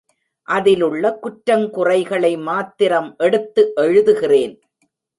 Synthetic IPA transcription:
ʔɐðɪlɯɭːɐkʊʈɾɐmkʊrɐɪɣɐɭɐɪmaːt̪ːɪɾɐmʔɛɽɯt̪ːɯʔɛɻɯðɯɣɪreːn

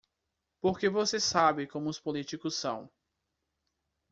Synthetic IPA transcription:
poɾkevosesabɪkõmʊʊspolit͡ʃikʊsːɐ̰̃w̃

